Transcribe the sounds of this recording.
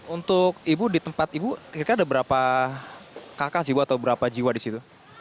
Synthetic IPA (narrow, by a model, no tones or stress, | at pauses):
unt̪ʊk̚ibudit̪əmpat̪ibuiɾkaadabəɾapa | kakasibuat̪awbəɾapad͡ʒiwadisit̪u